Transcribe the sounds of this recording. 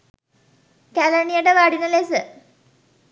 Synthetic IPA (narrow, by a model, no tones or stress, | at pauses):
kæləɳijəʈəʋaɖinəlesə